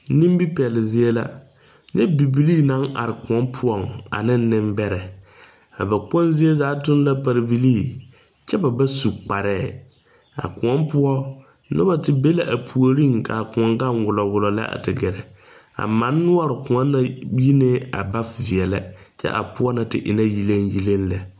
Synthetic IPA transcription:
nĩ˦m˦bi˦pɛ˨lɪ˨zi˦ɛ˦la̰˦ | ɲɛ˦bi˨bi˨liː˦˨na˨˦ŋa̰˨ɾɪ˨kʊ˨ɔ˦mpʰʊ˦ɔ˦˨ŋa̰˨nɪ˦n˦nɪ̃˦mbɛ˦ɾɛ˨ | a̰˨ba˨k͡pɔ˦n˦zi˦e˦zaː˨˦tʊ˦n˦la˦pa˨ɾɪ˨bi˦li˦˨ | t͡ʃɛ˦ba˨ba˦su˨k͡pa˨ɾɛː˦˨ | a̰˨kʊ˨ɔ˦mpʊ˦ɔ˦ | nʊ̰˦ba˦tɪ˨be˦la˨ʔa˨pʰu˨o˨ɾi˦˨ŋkʰa˨kʊ̃˨ɔ˨ŋɡa˦nwʊ˨lɔ˨wʊ˨lɔ˨la̰˦ʔa̰˨tɪ˨ɡɛ˨ɾɛ˨ | a̰˨mã˨˦nːʊ˦ɔ˦ɾɪ˨kʊ̃˨ɔ˦nːa˦ji˦ne˦a̰˨ba˦fvi˨ɛ˨lɛ̰˦ | t͡ʃɛ̰˦ʔa̰˨pʊ˦ɔ˦na˨tɪ̰˨ʔɪ̰˨na˦ji˦le˦nji˦le˦n˦la˨

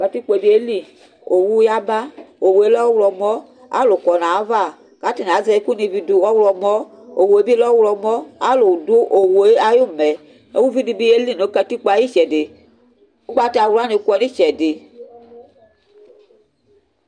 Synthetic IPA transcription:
ka˧ti˦k͡pe˨bi˦e˦li˦˨ | o˨wu˦ja˦ba˦o˨wo˨e˦lɔ˦wlɔ˧mɔ˦ | a̰˦lo˨kɔ˨na˨˦va˦˨ | ka˨˦ti˦˨na˨˦zɛ˧i˦ku˦ni˧vi˧du˧ɔ˦wlɔ˧mɔ˦ | o˨wo˨e˦bi˦e˦lɔ˦wlɔ˧mɔ˦a˦lo˨do˦ʔo˨wo˨e˦a˦ju˦˨mɛ˨ | o˨˦wu˦vi˦di˧bi˧e˦li˦˨no˨˦ka˧ti˦k͡pa˨˧˦ji˦t͡ʃɛ˨de˨ | o˦ɡ͡ba˧˦ta˨˧˨wa˦ni˨˧kʷɛ˧ni˦t͡ʃɛ˨de˨

